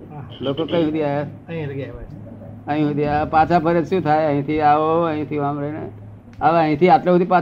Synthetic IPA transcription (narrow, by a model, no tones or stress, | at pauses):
lokokəɦĩɦud̪iae | ɦĩɡa | ə̃ĩɦud̪iapãt͡ʃʰapʰəɾəd͡ʒsũt̪ʰaeə̃ɦĩt̪ʰiaʋoəɦĩt̪ʰiʋamɾənḛ | əʋə̃ɦĩt̪ʰiat̪leɦut̪ipã